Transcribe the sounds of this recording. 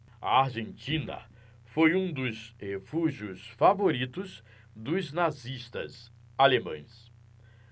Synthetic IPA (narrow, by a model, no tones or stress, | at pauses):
a̰aɾʒẽnt͡ʃĩnɐ̰ | fojũd̪ʊzhefuʒiʊsfavoɾit̪ʊz | d̪ʊznaziʃt̪ɐ̰z | alemɐ̰̃j̃s